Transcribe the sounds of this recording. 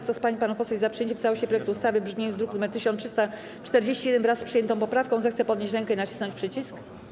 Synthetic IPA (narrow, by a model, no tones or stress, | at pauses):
kt̪ɔspaɲipanupɔsɛvʲizapʂɨ̥eɲt͡ɕɛ̃mst̪awɔɕɛpɾɔjɛkt̪uːst̪avɘbʐmʲezd̪ɾukulumɛt̪ɘɕɔnʂɨst̪a | t͡ʂt̪ɛɾd͡ʑeɕt͡ɕijɛd̪ɛnvɾasspʂɨjɛnt̪ɔ̃pɔpɾafkɔ̃w̃zɛxt̪sɛpɔd̪ɲeɕt͡ɕɾɛŋkɛinat͡ɕi̥snɔ̃ɲt͡ɕpʂɘt͡ɕisk